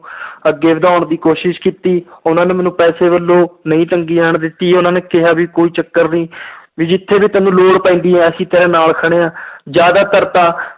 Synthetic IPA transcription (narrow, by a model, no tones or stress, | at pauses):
əɡːeːʋɪd̪aːʊɳd̪iːkoːʃɪʃkiːt̪iːʊnãːneːmɛːnũːpɛːseːʋəlːõːnəĩːʈəŋɡiːaːɳd̪ɪt̪ːiːʊnãːneːkɪɦaːbiːkoːiːt͡ʃəkːəɾnĩːʋiːd͡ʒɪt̪ʰːeːbiːt̪əːnũːloːɽpãĩːnd̪iːɦɛ̃ːəsĩːt̪eːɾẽːnaːlkʰəɽ̃eːãːd͡ʒjaːd̪aːt̪əɾt̪aː